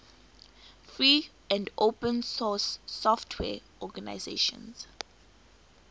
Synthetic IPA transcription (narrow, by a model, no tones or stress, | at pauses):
fɹiː | ʔɛ̃ndopə̃nsɔsːɔftʰwɛ̰ʔɔɡanaɪzḛʃɔ̰̃ns